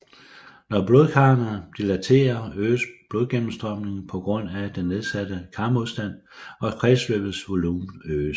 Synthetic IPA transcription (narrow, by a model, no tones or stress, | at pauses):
nɒb̥lo̝ːðˠkʰɑ̈nɐd̥ilæt͡sʰe̝̰ːɐøːsb̥lo̝ðˠɡ̥emm̩sd̥ʁɶm̰ne̝ŋn̩pʰɒ̽ɡ̥ʁɔ̽n̰æd̥enːe̝ð̞ˠsæd̥əkʰɑ̈mo̝ðˠsd̥æn̰ | ɒ̥̽pʰʁɛslø̰ːb̥ð̩ˠsʋo̝luːmøː